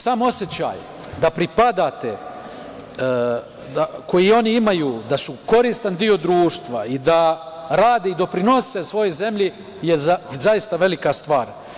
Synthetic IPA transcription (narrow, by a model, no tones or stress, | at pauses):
saːmo̞sjet͡ɕa̰ːj | d̪apɾipad̪aːt̪ḛ | d̪ako̞jio̞niimajuːd̪asuko̞ɾiːst̪and̪io̞d̪ɾuːʃt̪ʋaid̪a | ɾaːd̪eid̪o̞pɾino̞sesʋo̞jo̞jze̞mʎi | jezajist̪aʋe̞likast̪ʋaːɾ